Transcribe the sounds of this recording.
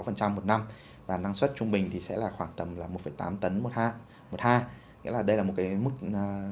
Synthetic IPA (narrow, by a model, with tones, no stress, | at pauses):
wfə˨˩nt͡ɕa˧mːo˨˩t̚na˧m | vaː˨˩na˧ŋswə˦˥t̚t͡ɕʊ˧ŋ͡mɓï˨˩ŋ̟t̪ʰi˨˩sɛ̰˧˥laː˨˩xwaː˧˩ŋt̪ə˨˩mlaː˨˩m̚˨˩fə˧˩jt̪aː˨˦mt̪ə˨˦nmo˨˩t̚haː˧ | mo˨˩t̚haː˧ | ŋḭ˧˥laː˨˩ɗə˧jlaː˨˩mo˨˩t̚kaː˨˦jm˦˥k̚ː